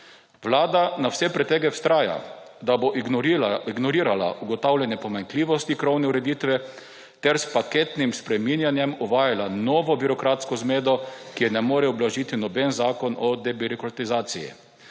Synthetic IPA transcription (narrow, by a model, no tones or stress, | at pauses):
ʋlaːd̪anawsɛpɾɛt̪ɛɡɛwst̪ɾaːja̰d̪aboʔ | iɡnɔɾiːɾala̰ʔuɡɔt̪awlʲɛnjɛpɔmaŋkliːʋɔst̪ikɾɔwnɛuɾɛd̪iːt̪ʋɛ | t̪ɛɾspaket̪nimspɾɛminjanjɛmɔʋaːjalanɔːʋɔbiɾɔkɾaːt̪skɔzmeːd̪ɔkijɛnɛmoːɾɛɔblaʒiːt̪inɔbɛnzaːkɔnɔd̪ɛbiɾɔkɾat̪izaːt̪sijḭ